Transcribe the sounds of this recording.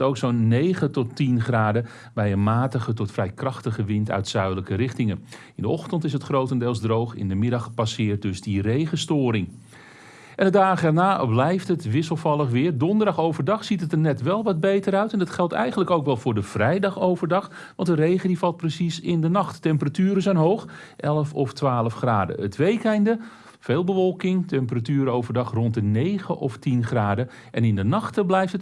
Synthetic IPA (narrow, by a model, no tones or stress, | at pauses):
towksownːejχətɔtinχraːdə | bɛjənmaːtəχətɔtfrɛjkrɑχtəχəʋɪntœ̰ɥtsœɥdələkərɪχtɪŋən | ɪndəʔɔχtəntɪs̬ətχrowtəndelˠzdrowχɪ̰ndəmɪdɑχpasɪːrt̚dɵzdirejχəstʊːɾɪŋ | ʔɛndədaːχəɛrnaːblɛjftətʋɪsəlˠvɑlˠəχʋɪːrdɔndəɹdɑχowvərdɑχsitətəɹnɛtʋɛlˠʋɑd̚bejtəɾœɥtɛndətχɛlˠtɛ̰jχənləkowkʋɛlˠvʊːɹdəv̥rɛjdɑχowvərdɑχ | ʋɑntdərejχəndifɑlˠt̚prəsisɪndənɑχtːɛmpəratyːɾəzɛjnɦowχ | ʔɛlˠəfɔftʋaːləfχraːdə̰ətʋejkɛjndə | feːlˠbəʋɔlˠkɪŋtɛmpəratyːɾəowvərdɑχrɔntənejχəʔɔftinχraːdə | ʔɛnɪndənɑχtəblɛjftət